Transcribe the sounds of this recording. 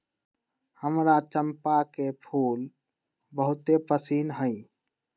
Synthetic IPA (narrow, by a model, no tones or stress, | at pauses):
həmɾat͡ʃəmpakepʰuːl | bəɦʊt̪epəsiːnɦəj